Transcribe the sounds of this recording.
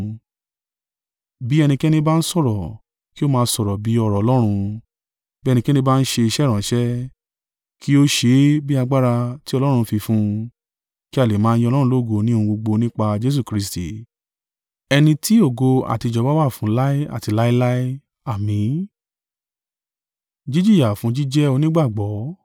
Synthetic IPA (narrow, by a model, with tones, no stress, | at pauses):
bi˨˦ɛ˧nĩ˧kɛ˦nĩ˧ba˦n̩˦sɔ˦˨ɾɔ˨ | ki˦o˦mãː˧n̩˦sɔ˨ɾɔ˨bi˨˦ɔ˧ɾɔ˨ɔ˧˦lɔ˦ɾ̃ũ˧ | bi˦˧nĩ˧ki˦ɛ˦nĩ˦ba˦˧n̩˦ʃe˧i˧ʃɛ˦ɾ̃ã˨ʃɛ˦ | ki˦o˦ʃe˨˦bi˦a˧ɡ͡ba˦ɾa˧ti˦ɔ˧lɔ˦ɾ̃ũ˧fi˧fũ˦ | ki˦a˦˨le˨mã˨˦˧jĩ˦ɔ˧lɔ˦ɾũ˧lo˦˨ɡo˧nĩ˦˧ũ˧ɡ͡bo˧ɡ͡bo˧nĩ˦k͡pa˧d͡ʒe˦s̬u˦˨kɾi˦s̬ti˨ | ɛ˧nĩ˧ti˦o˦˨ɡo˧a̰˨ti˧˨d͡ʒɔ˧˦ba˦wa˦˨fũ˨˦la˦i˦a̰˦˨ti˨˧la˦i˦la˦i˦ | a˦˨mĩ˨˦ | d͡ʒi˦d͡ʒi˦˨ja˨fũ˨˦d͡ʒi˦d͡ʒɛ˦o˧nĩ˦ɡ͡ba˦˨ɡ͡bɔ˨˦